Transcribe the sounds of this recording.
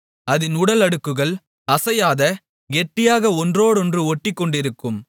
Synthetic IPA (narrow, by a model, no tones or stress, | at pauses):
ɐðɪnʊɽɐlɐɽɯkːɯɣɐɭ | ɐsɐjaːðɐ | ɡɛʈːɪjaːɣɐɔndroːɽɔndrɯɔʈːɪkːɔɳɖɪɾɯkːɯm